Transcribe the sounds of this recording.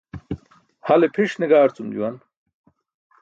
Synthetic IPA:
hɐlepʰiʂniɡaːɾt͡sumd͡ʑṵwɐn

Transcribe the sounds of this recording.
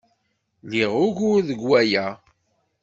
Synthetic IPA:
liʁʊʝʊɾðəɡwæjæ

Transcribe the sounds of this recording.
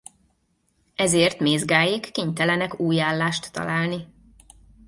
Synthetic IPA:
ɛzeːrt̪meːzɡaːjikːiːɲt̪ɛlɛnɛkuːjaːlːaːʃt̪ːɒ̰laːlni

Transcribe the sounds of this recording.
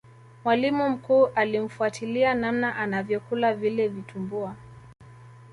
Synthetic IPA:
mwalimum̩kuːʔalim̩fuatʰilianamnaʔanavjɔkulavilɛvitʰumbua

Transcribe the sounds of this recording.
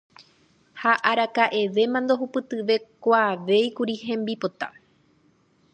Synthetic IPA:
haʔaɾakaʔe̞ʋe̞mãnd̪o̞ɦupɨt̪ɨʋe̞kʷaʋe̞jkuɾiɦẽ̞mbipo̞t̪a

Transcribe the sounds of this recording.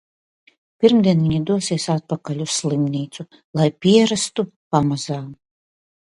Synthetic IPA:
pʲiɾmd̪ʲiɛnviɲid̪uɔsiɛsat̪̚pakalʲusːlˠimniːt̪su | lˠajpʲiɛɾast̪upamazaː

